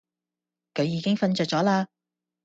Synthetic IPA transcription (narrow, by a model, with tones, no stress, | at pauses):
kʰɵ˨˧ɥjiː˨˧kɪ˥ŋfɐ˧nt͡ʃœː˨˧k̚t͡sɔː˨˥laː˧